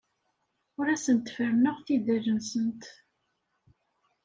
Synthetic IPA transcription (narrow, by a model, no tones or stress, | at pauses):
ʊɾæsənt̪fəɾnəʁθid̪æɾənsənt̪